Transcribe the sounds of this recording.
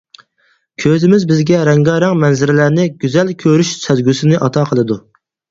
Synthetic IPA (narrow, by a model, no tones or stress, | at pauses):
kʲʰøzɪmɪzbɪzɡʲɛɾɛŋɡɑːɾæŋmɛnzɪɾɪlæɾnɪɡʲyzɛlkʲʰøɾyʃsɛzɡʲysɪnɪʔɑt̪ʰɑqʰəlˠɨd̪u